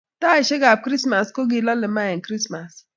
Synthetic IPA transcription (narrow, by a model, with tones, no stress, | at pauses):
ta˦ɪ˨ʃɪ˦ɡa˨p̚kɾi˦sma˨sko˦ɡi˨lɔ˦lɪ˨ma˦ɛ˨nkɾi˦sma˨s